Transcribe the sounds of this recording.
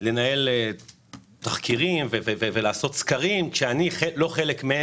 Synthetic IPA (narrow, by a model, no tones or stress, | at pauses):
le̞nae̞l | t̪aχkiʁimvevevevelaːso̞t̪skaʁimkʃeaniχelo̞χe̞lekme